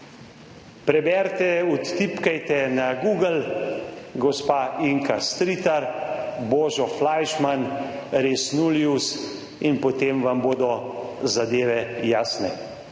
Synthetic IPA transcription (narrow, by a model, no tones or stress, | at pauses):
pɾɛbɛɾt̪ɛut̪ːipkajt̪ɛnaɡuːɡəl | ɡɔspaiŋkast̪ɾiːt̪aɾbɔːʒɔflajʃmanɾesnuljus | inpɔt̪emʋamboːd̪ɔzad̪eːʋɛjaːsnɛ